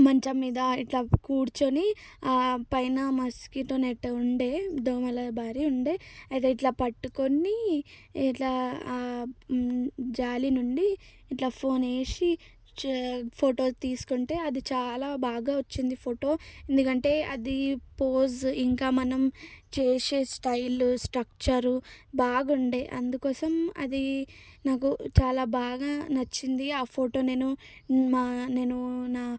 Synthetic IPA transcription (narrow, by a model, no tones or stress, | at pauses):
mɐɲt͡ʃɐmiːd̪ɐiʈlaːkuːɽt͡ʃoni | pɐjnɐmɐskiʈoneʈːeuɳɖeːd̪oːmɐlɐbʱaːɾiuɳɖeːɐjt̪̬e̞ːiʈlaːpɐʈːuko̞nːi | ʈlaː | d͡ʒaːlinuɳɖiː | ʈlaːpʰo̞ːne̞ːʃi | pʰoːʈo̞ːt̪iːsu̥kuɳʈe̞ːɐd̪it͡ʃaːlaːbaːɡaːʋɐt͡ʃːind̪ipʰoːʈo̞ːe̞nd̪ukɐɳʈe̞ːɐd̪ipoːziŋkaːmɐnɐmt͡ʃeːʃe̞ːsʈɐjlusʈɾɐk̚t͡ʃɐɾbaːɡuɳɖeːʔɐ̰nd̪ukɔːsɐmɐ̰d̪inaːkut͡ʃaːlaːbaːɡaːnɐt͡ʃːind̪iaːpʰoːʈo̞ːne̞ːnumaːne̞ːnunaː